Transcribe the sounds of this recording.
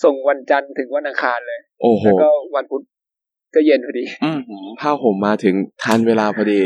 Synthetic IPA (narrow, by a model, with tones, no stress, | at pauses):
so˨˩ŋwa˧nt͡ɕa˧nt̪ʰɯ˨˩˦ŋwa˧nʔa˧kʰaː˧nlɤː˧jʔoː˧˩hoː˧˩˧kɔː˥˩wa˧npʰu˦˥t̪̚ | kɔː˥˩je˧npʰɔ˧diː˧ʔɯː˧˩hpʰaː˥˩wpʰo˨˩˦mːaː˧t̪ʰɯ˩˦ŋt̪ʰaː˧˥nweː˧laː˧pʰɔː˧diː˧